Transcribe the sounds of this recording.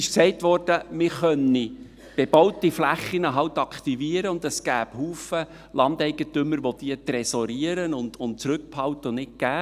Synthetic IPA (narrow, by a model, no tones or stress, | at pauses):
ɪʃksɛɪtʋɔrd̥əmɪχœnːi | b̥ɛb̥ɑwtiflæχːinəɦɑwt̪ɑkχt̪iviəɾəʊnd̪əsɡ̥æːb̥huːfə | lɑnd̪ɛɪɡət̪ʏmːəɾʋod̥̪iət̪ɾɛsɔɾiəɾənʊndʊnt̚t͡sɾʉk̚phɑwtənɪt̚ɡ̥æː